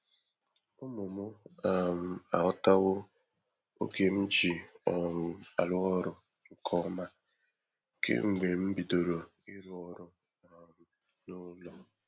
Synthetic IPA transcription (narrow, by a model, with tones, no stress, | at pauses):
ʊ˦mʊ˨mʊ˦a˨m̩˨a˨ɔ˦ta˦ɣʊ˦ | o̰˦ke˦m̩˦d͡ʒi˨ɔ˨ɾʊ˨a˨lʊ˦ɔ˦ɾʊ˦ | ŋ̩˨kʰɔ˦ma˦ | kḛ˦ŋ͡m̩˨ɡ͡be˨m̩˦bi˨do˨ɾo˨ | ɪ˦ɾʊ˨ɔ˦ɾʊ˦ | a˨m̩˨ | nʊ˦lɔ˦